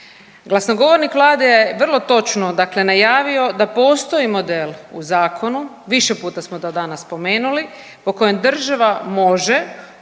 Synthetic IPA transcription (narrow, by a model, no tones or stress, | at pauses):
ɡlˠasnoɡo̞ʋo̞ɾnikʋlˠaːd̪ejeʋr̩lˠo̞t̪o̞t͡ʃnod̪akle̞najaːʋio̞d̪apo̞ːst̪o̞imo̞d̪eluzaːkʰo̞nu | ʋiʃe̞puːt̪asmod̪od̪anasːpo̞meːnuli | po̞ko̞jemd̪r̩ʒaʋamo̞ʒe̞